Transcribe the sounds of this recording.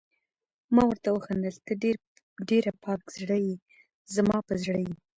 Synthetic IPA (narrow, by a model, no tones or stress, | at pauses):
mɑwəɾt̪awəxand̪əlt̪əɖeɾ | ɖeɾapɑkz̥ɽəji | zmɑpəzɽəji